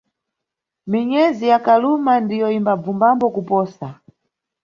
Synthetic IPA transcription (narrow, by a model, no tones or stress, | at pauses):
miɲɛzijakalumandijɔimbab͡vumbambɔkupɔːsa